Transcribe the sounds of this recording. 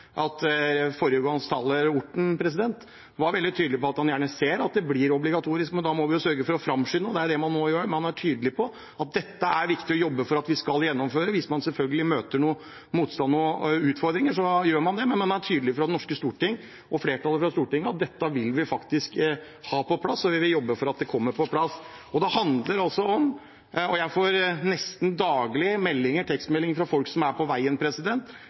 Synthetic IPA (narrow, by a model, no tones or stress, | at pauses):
ʔɑt̪fɔɾəɡɑŋst̪ʰɑːləɾʊʈːɳ̩pʰɾɛs̬ɪd̪ɛnt̪ | ʋɑɾʋɛld̪ɪt̪ʰyːd̪əlɪpɔɑt̪hɑnjæːɳəseːɾɑt̪̚d̪ɛblɪːɾɔblɪɡɑt̪ʰuːɾɪskmɛnd̪ɑːmɔʋɪjʊsœɾɡəfɔɾɔfɾɑmʂʏnəɔd̪ɛæɖɛmɑnːoːjøːɾmɑnæʈʰyːd̪əlɪpʰɔ | ɑt̪̚d̪ɛt̪ːəæɾʋɪkt̪ɪɔjɔbːəfɔɾɑt̪ʋɪskɑljɛnːɔmføːɾəʋɪsmɑnsɛlfœlɡəlɪmøːt̪əɳuːə | muːt̪st̪ɑnːɔʉːt̪fɔɾd̪ɾɪŋəʂɔjøːɾmɑnd̪ɛmɛnmɑnæʈʰyːd̪əlɪfɔɾɑd̪ɛnɔʂkəst̪uːʈɪŋː | ʔɔfleːʈʰɑːləfɾɑst̪uːʈɪŋːəɑt̪̚d̪ɛt̪ːəʋɪlʋɪfɑkt̪ɪsk | hɑːpɔpʰlɑsːɔʋɪʋɪljɔbːəfɔɾɑt̪̚d̪ɛkʰɔmːəɾpɔpʰlɑsː | ɔd̪ɛhɑnd̪ləɾɑlsɔɔm | ɔjæɪfoːɾnɛst̪n̩d̪ɑːɡlɪmɛlːɪŋəʈʰɛkst̪mɛlːɪŋfɾɑfɔlksɔmæɾpʰɔʋæɪənpʰɾɛsɪd̪ɛnt̪